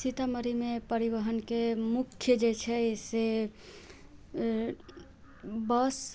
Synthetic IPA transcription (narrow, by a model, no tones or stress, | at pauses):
sit̪aməɾimepəɾibəɦənkemukʰːjəd͡ʒet͡ʃʰɛese | bəs